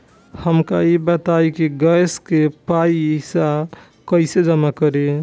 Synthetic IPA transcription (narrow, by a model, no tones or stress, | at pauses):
həmkaibət̪ajkiɡəjskepajsa | kəɪsed͡ʒəmakəɾe